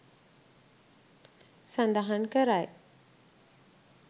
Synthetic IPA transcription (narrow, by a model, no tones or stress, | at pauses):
sə̃nd̪aɦənkəɾaj